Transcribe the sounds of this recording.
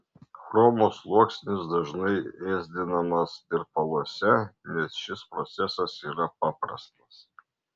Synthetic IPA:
xɾoːmoːslˠuɔksʲnʲɪsd̪ɐʒnɐɪeːzʲd̪ʲɪnɐmɐsɪɾpɐlˠuɔsʲɛnʲɛsʃʲɪspɾɔt̪sʲɛsɐsiːɾɐpɑːpɾɐ̰st̪ɐs

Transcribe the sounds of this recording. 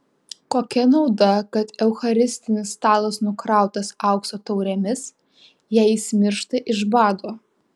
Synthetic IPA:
koːkʲɛnɐʊd̪ɐkɐt̪ɛʊxɐɾʲɪsʲt̪ʲɪnʲɪst̪ɑːlˠɐsnʊkɾɑˑʊt̪ɐsɑˑʊksoːt̪ɐʊɾʲɛmʲɪs | jɛːɪsʲmʲɪɾʃt̪ɐʔɪʒbɑːd̪oː

